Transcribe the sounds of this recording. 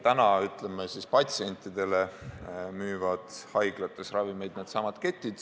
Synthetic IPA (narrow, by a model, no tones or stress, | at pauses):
t̪ænɑyt̪lemːesispɑt̪ʲsie̞nʲt̪ˑid̪̥e̞le | myːvɑd̪̥hɑjɡ̥lɑt̪ːˑesrɑvimejd̪̥ned̪̥sɑːmɑd̪̥ket̪ːˑid̪̥